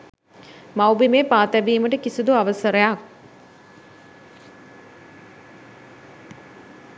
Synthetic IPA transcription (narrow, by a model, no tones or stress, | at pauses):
mawbimeːpaːt̪æbiːməʈəkisud̪uaʋəsəɾəjak̚